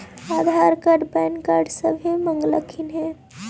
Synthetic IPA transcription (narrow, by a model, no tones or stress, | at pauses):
ad̪ʱaɾkəɖbɛnkaɾɖsəbʱimə̃ŋɡləkʰinɦɛ̃